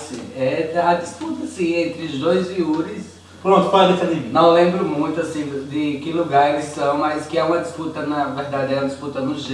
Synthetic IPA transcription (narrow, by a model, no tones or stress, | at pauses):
sĩɛɐd̪isput̪ɐsĩẽnt̪ɾɪʊzd̪ojziuɾɪs | pɾõt̪pad̪ɛsɐd̪ivinɐ̃w̃lẽmbɾʊmũj̃t̪ʊasĩd̪d̪ɪkɪluɡaɾelɪsɐ̃w̃mɐskɪɛũmɐd̪isput̪ɐnɐveɾd̪ad̪ɪɛũmɐd̪ɪsput̪ɐnʊʒ